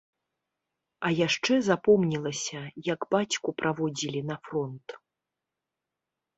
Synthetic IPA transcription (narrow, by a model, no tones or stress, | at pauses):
ɐjaʂt͡ʂɛzapɔmnʲilˠɐsʲɐjɐɡbat͡sʲkupɾʔavɔd͡zʲilʲinɐfrɔnt̪